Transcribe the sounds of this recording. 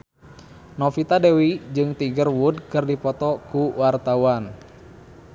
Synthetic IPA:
nɔfit̪adewid͡ʒɨŋt̪iɡərwudkɨrdipɔt̪ɔkuwart̪awan

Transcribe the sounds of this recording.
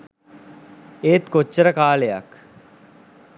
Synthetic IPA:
eːt̪kot͡ʃːɐɾɐkaːlejɐ̰k

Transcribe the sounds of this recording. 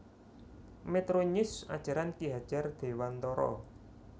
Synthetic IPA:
met̪ɾoɲʊsa̰d̥ʒ̥a̤ɾankiɦad̥ʒ̥ard̪̥e̤want̪ɔɾɔ̰

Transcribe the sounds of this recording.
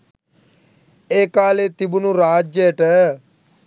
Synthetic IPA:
eːkaːleːt̪ɪbunũːɾaːd͡ʒd͡ʒeːʈɛ

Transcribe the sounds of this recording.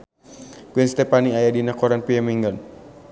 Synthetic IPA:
kuinst̪ɛpaniajadinakɔɾanpiamiŋɡɔn

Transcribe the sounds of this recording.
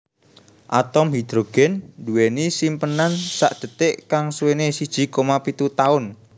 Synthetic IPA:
ʔat̪ɔmɦid̪̥ɾoɡ̥ɛnd̪uenisimpənansa̰ʔd̪̥ə̤t̪ɪʔkaŋsuwenesid̥ʒ̥i̤komapit̪ut̪aʊn

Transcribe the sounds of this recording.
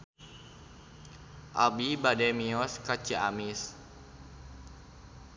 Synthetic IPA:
ʔa̰bibadɛmiɔskat͡ʃiamis

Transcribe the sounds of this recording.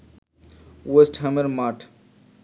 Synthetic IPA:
wesʈɦɐməɾmaːʈʰ

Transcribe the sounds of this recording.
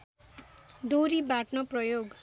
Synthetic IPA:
d̪oɾibaʈnoprʌjoɡ

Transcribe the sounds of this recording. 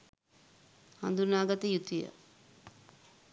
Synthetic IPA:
ha̰nd̪unaːɡat̪əjut̪ujə̰

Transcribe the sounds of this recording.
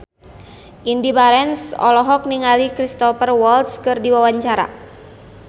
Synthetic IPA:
ʔindibaɾɛnsɔ̰lɔɦɔk̚niŋalikɾist̪ɔfərwɔlt̪skɨrdiwawaɲt͡ʃaɾa̰

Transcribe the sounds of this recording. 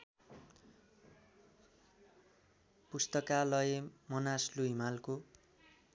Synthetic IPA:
pust̪ʌkalʌemʌnasluɦimalko

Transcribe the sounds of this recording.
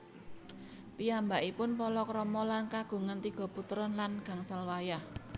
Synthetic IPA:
piambaʔipʊnpɔlɔkɾɔmɔlankaɡ̥ṳŋənt̪iɡ̥ɔ̤put̪ɾɔnlanɡ̥ä̤ŋsalwajah

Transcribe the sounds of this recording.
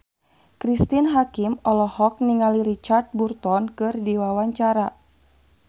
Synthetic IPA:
kɾist̪inɦakimɔlɔhɔk̚niŋaliɾit͡ʃart̪̚burt̪ɔnkɨrdiwawaɲt͡ʃaɾa

